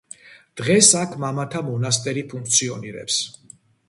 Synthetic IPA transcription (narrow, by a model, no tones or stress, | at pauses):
d̪̥ʁɛsakʰmamat̪ʰamɔnas̬t̪ʼɛɾipʰuŋk̚ʰt̪sʰiɔniɾɛ̰ps